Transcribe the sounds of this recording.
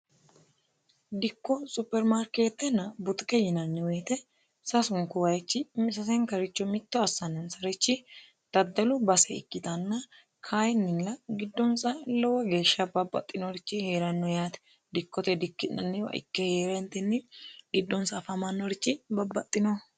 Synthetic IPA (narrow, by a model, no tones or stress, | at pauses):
d̪ɪkːɔsʊpːɛɾmaɾkeːt̪ːɛnɐbʊt̪kɛjɪnɐnːɪweːt̪ɛ | sɐsʊŋkːʊwɐjɛt͡ʃːɪmsɐsɛŋkɐɾɪt͡ʃːɔmɪt̪ːɔɐsːɐnːɛnsɐɾɛt͡ʃːɪ | t̪ɐd̪ːɐlʊbɐsɛɪ̰kːɪt̪ɐnːɐ | kʰaːjɪnːɪnlɐɡɪd̪ːɔnsɐlɔwɐɡe̞ːʃːɐbɐbːɐ̰t̪ʼːɪnɔɾɪt͡ʃːɪheːɾɐnːɔjaːt̪ɛ̥ | d̪ɪkːɔt̪ɛd̪ɪkːɪnːɐ̰nːɪwɐ̰ʔɪ̰kːɛheːɾɛnt̪ɛɪnːɪɡɪd̪ːɔnsɐfɐmɐnːɔɾɪt͡ʃːɪbɐbːɐt̪ʼːɪnɔ